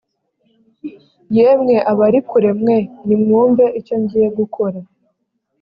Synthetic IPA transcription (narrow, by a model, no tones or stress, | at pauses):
jeːmŋe̞ʔaβaɾikuɾe̞mŋe̞nimŋuːmbe̞ʔico̞ɲɟiːje̞ɡukʰo̞ɾa